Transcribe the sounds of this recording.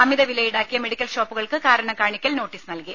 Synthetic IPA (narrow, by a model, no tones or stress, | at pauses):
ɐmiðɐʋilɐjiɽaːkːijɐme̞ɽikʲːɐlʂoːpːuɣɐɭkɨkaːɾɐɳɐkaːɳikʲːɐlno̞ːʈːisɨnɐlki